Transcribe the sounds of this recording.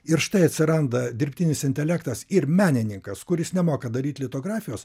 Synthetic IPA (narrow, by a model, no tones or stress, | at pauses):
ɪɾʃt̪ɐɪɐt̪ʲsʲɪɾɐnd̪ɐd̪ʲɪɾʲpʲt̪ʲɪnʲɪsɪnʲt̪ʲɛlʲækt̪ɐsɪɾmʲæːnʲɪnʲɪŋkɐskʊɾʲɪsnʲɛmoːkɐd̪ɐɾʲiːt̪ʲlʲɪt̪oːɡɾɑːfʲɪjoːs